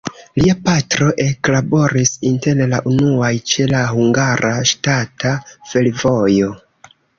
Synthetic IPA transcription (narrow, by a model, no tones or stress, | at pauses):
liapatɾo̞ʔe̞klabo̞ɾisinte̞llaʔunuajt͡ʃe̞lahuŋɡaɾʔaʃtatafe̞lvo̞jo̞